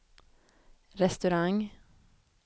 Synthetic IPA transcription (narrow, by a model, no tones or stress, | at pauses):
ɾɛst̪ʉɾɑŋ